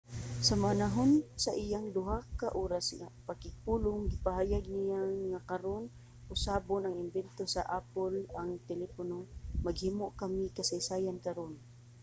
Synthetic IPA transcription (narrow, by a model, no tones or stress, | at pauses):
samanaɦonsaʔijaŋd̪ʊɦakːaʔoɾasŋapakɪɡ̚pulʊŋɡɪpaɦaːjaɡ̚nijaŋːakaɾon | ʔʊsaːbonaŋɪmbɛnt̪osa̰ʔapolaŋt̪ɛlɛponomaɡhimoʔkamɪkasajsaːjankaɾon